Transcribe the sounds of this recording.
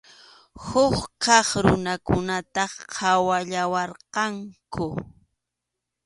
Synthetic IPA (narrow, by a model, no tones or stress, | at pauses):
hʊχkɑχɾʊnakʊnat̪ɑhʰawaʎawɑɾqɑŋkʊ